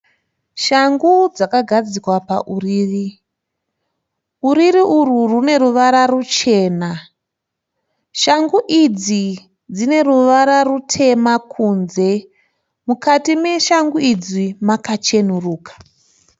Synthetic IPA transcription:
ʃaŋɡud͡zakaɡʱad͡zikwapa̰ʔuriːri | uɾiɾiʔururune̞ɾuʋaɾarut͡ʃe̞ːna | ʃaŋɡuʔid͡zi | d͡zine̞ɾuʋaɾarutʰe̞makʰunze̞ | mukatime̞ʃaŋɡuid͡zimakat͡ʃe̞n̤uruːkḁ

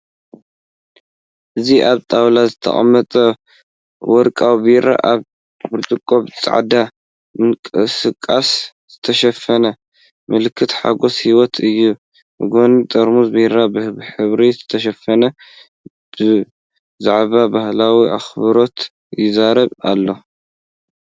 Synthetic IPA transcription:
ʔɨziʔaβt̪ʼawlazɨt̪ʰɐ̰χʼɐ̰mːɐt̪ʼɐ | wɔɾkʼawbiɾa̰ʔaβ | bɨɾt̪ʼɨkʼːo̞βt͡sʼa̰ʕd̪a | mɨnkʼɨsɨkʼːas | z̥ɨt̪ʰɐʃɐfɐnɐ | mɨlɨkʰːɨt̪ħa̰ɡo̞shiwɔt̪ʰɨjːu | mɨɡonit̪ʼɐɾmuzbiɾabɨhβħɨβɾizɨt̪ʰɐʃ̬ɐfːɐnɐ | b̥ɨ | zaʕβabahlawiʔa̰xβɨɾo̞t̪ | jɪzaɾɐβa̰lːo̞

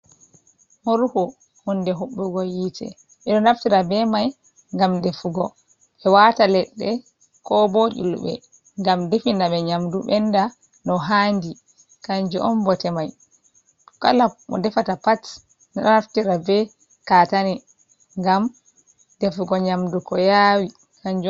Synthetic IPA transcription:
mɔɾuhɔ | hɔndɛɦuɓːuɡɔjitɛ̰ | ʔɛɗɔnaftiɾabɛmaj | ŋɡamdefuɡɔ | ɓɛwatalɛɗːɛ | kɔbɔd͡ʒṵlṵɓɛ̰ | ŋɡamdefindaɓɛɲamduɓɛnda | nɔɦandi | kaɲd͡ʒuʔɔmbɔtɛmaj | ka̰lamɔ̰dɛfatapat | nɛɗɔnaftiɾabɛ | katani | ŋɡam | defuɡɔɲamdukɔjawi | kaɲd͡ʒu

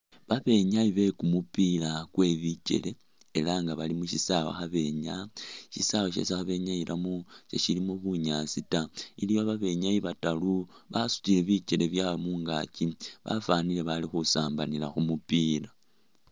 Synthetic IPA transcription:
βaβe̞ɲaiβe̞kumupilakwe̞βit͡ʃe̞̰le̞ː | laŋɡaβalimuʃisawa̰xaβe̞ɲaʃisawaʃe̞̰sexaβe̞ɲailʔamusḛʃilimuβuɲasitailijoβaβe̞ɲaiβataluβasu̥tile̞βit͡ʃe̞le̞βjamuːŋɡa̰ciβa̰fanile̞βalixusaːmbanilaxumupila

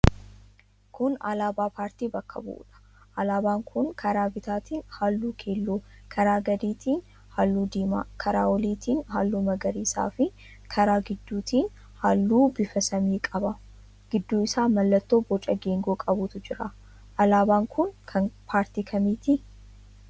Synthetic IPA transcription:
kʊnɐlaːbaːpaːɾt̪iːbɐkːɐ̰bʊ̰ʔṵːᶑɐ̥ | ʔɐlaːbaːŋkʰʊnkʰɐɾaːbɪt̪aːt̪iːnhaːlːuːkʰe̞ːlːuːkʰɐɾaːɡɐd̪iːt̪ʰiːn | haːlːuːd̪iːma̰ːkʰɐɾaːwɔliːt̪iːnɦaːlːuːmɐɡɐɾiːsa̰ːfɪ | kʰɐɾaːɡɪd̪ːuːt̪iːn | haːlːuːbɪfɐsɐmiːkʼɐbɐ | ɡ̥ɪd̪ːuːɪsaːmɐlːɐt̪ːo̞ːbɔt͡ʃʼɐɡeːŋɡoːkʼɐbʊt̪ʊd͡ʒɪɾa | ʔɐlaːbaːŋkʊnkʰɐpʰaːɾt̪iːkʰɐmiːt̪ɪ

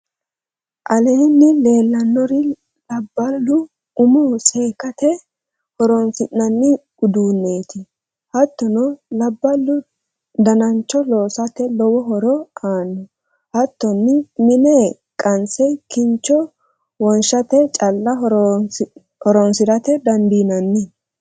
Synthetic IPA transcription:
ʔɐleːnːɪle̞ːlːɐnːɔɾɪ | lɐbːɐlːʊ | ʊmɔse̞ːkɐt̪ɛ | hɔɾɔnsɪnːɐnːɪɡ̥ʊd̪uːnːe̞ːt̪ɪ | hɐt̪ːɔnɔlɐbːɐlːʊ | d̪ɐnɐnt͡ʃːɔloːsɐt̪ɛlɔwɔɦɔɾɔaːnːɔ | hɐt̪ːɔnːɪmɪnɛ | kʼɐnsɛkɪnt͡ʃːɔ | wɔnʃɐt̪ɛt͡ʃʼɐlːɐ | hɔɾɔnsɪɾɐt̪ɛd̪ɐnd̪iːnɐnːɪ

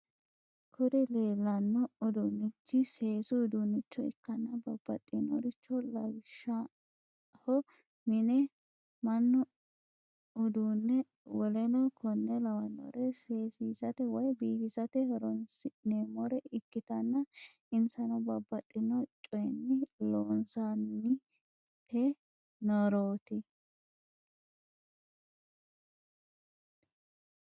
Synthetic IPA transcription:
kʰʊd̪ɪleːlːɐnːɔʊd̪unːɪt͡ʃːɪse̞ːsʊːd̪ʊnːɪt͡ʃːɔɪ̰kːɐnːɐbɐbːɐ̰t̪ʼːɪnɔɾɪt͡ʃːɔlɐwɪʃːɐ | hɔ | mɪnɛ | mɐnːɔ | ʊd̪uːnːɛ | wɔlɛnɔkʰɔnːɛlɐwɐnːɔ̰ɾɛseːsiːsɐt̪ɛwɔjbiːkɪsɐt̪ɛhɔɾɔnsɪneːmɔɾɛɪkːɪt̪ɐnːɐ | ɪnsɐnɔbɐbːɐt̪ʼːɪnɔt͡ʃʼɔjnːɪloːnsanɪ | t̪ʰɛ | nɔɾoːt̪ɪ

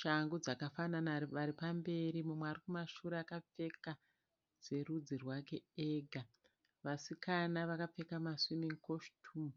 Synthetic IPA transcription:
ʃaŋɡud͡zakafananaʋaɾipambe̞ɾimumweaːɾikumaʃuɾeakap͡fe̞ka | z̥e̞rud͡zirwake̞eɡʱa | ʋasikʰanaʋakap͡fe̞kamasimiŋkoʃtʰum

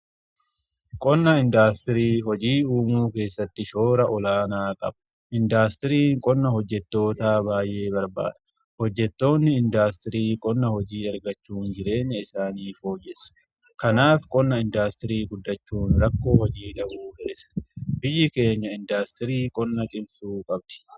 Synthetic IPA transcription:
kʼɔnːɐɪnd̪aːst̪ɪɾiːɦɔd͡ʒiːuːmuːke̞ːsːɐt̪ːɪʃo̞ːɾɐʔɔlaːnaːkʼɐ̰b̥ɐ | ɪnd̪aːst̪ɪɾiːŋkʼɔnːɐhɔd͡ʒːɛt̪ːo̞ːt̪aːbaːjʔe̞ːbɐɾba̰ːd̪ɐ̥ | hɔd͡ʒːɛt̪ːo̞ːnːɪɪnd̪aːst̪ɪɾiːkʼɔnːɐhɔd͡ʒiːɐɾɡɐt͡ʃːuːnd͡ʒɪɾe̞ːɲːɐɪsaːniːfo̞ːd͡ʒɛsʊ̥ | kɐnaːfkʼɔnːɐɪnd̪aːst̪ɪɾiːɡʊd̪ːɐt͡ʃːuːnɾɐkːo̞ːhɔd͡ʒiːd̪ɐʔuːhe̞̰ːsɐ̥bɪjːɪke̞ːɲːɐɪnd̪aːst̪ɪɾiːkʼɔnːɐt͡ʃʼɪmsuːkʼɐbd̪̥ɪ̥

